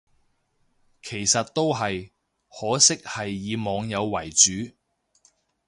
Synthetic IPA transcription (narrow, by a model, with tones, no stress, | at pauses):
kʰe˨˩jsɐ˨t̚t̪o˥wɦɐ˨j | hɔː˨˥sɪ˥k̚hɐ˨jːiː˨˧mɔː˨˧ŋjɐ˨˧wːɐ˨˩jt͡ʃyː˨˥